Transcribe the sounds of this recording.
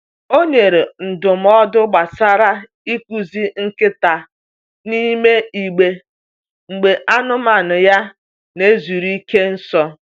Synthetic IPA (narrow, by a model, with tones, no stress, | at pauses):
o˦ɲe˨ɾe˨n̩˨dʊ˨m̩˦ɔ˦dʊ˦ɡ͡ba˨sa˦ɾa˦ | i˦kʷu˨zi˦ŋ̩˦kɪ˦ta˨ | ni˦me˦i˨ɡ͡be˨ | ŋ͡m̩˨ɡ͡be˨ʔa˦nʊ˦ma˨nʊ˨ja˦ | ne˦zu˨ɾi˦ke˦n̩˦sɔ˦